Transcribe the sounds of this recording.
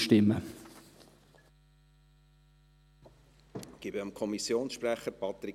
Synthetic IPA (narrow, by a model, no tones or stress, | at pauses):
ʃtɪmːə | ɡ̥ɪbəəmkʰɔmisjoːnsʃpɾæχəɾpɑt̪ɾi